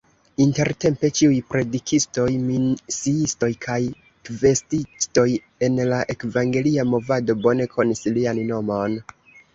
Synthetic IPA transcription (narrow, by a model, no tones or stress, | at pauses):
inte̞ɾte̞mpe̞t͡ʃiujpɾe̞dikʰisto̞jmisiisto̞jkʰaj | kve̞stisto̞j | e̞nlaʔe̞kvaŋɡe̞liamo̞vado̞bo̞ne̞kʰo̞nislianno̞mo̞n